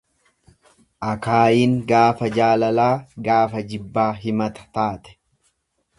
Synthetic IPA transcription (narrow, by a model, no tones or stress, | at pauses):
ʔɐkaːjiːŋɡaːfɐd͡ʒaːlɐlaːɡaːfɐd͡ʒɪbːaːɦɪmɐt̪ɐ̥t̪aːt̪ɛ̥